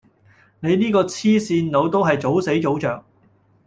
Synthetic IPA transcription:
ne˨˧jniː˥kɔː˧t͡sʰiː˥siː˧nlo˨˧wt̪o˥wɦɐ˨jt͡so˨˥wse˨˥jt͡so˨˥wt͡ʃœː˨k̚

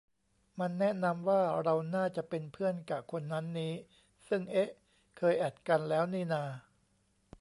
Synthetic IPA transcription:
ma˧nːɛ˦˥ʔna˧mwaː˥˩ɾa˧wnaː˥˩t͡ɕa˨˩ʔpe˧npʰɯ˥˩ənkaː˨˩kʰo˧nːa˦˥nːiː˦˥ | sɯ˥˩ŋʔe˦˥ʔ | kʰɤː˧jʔɛ˨˩t̪̚ka˧nlɛː˦˥wniː˥˩naː˧

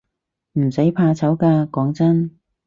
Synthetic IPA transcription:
m̩˨˩sɐ˨˥jpʰaː˧t͡sʰɐ˨˥wkaː˧kɔː˨˥ŋt͡sɐ˥n

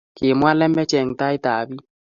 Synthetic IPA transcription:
kɪ˨mwa˦lɛ˦mɛ˦t͡ʃɛ˨ŋ̩˨ta˦i˦taː˨βi˦

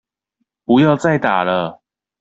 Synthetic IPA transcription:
pu˨˦jɑ˥˧ʊt͡sa˥˨ɪt̪a̰˨˩lə˦

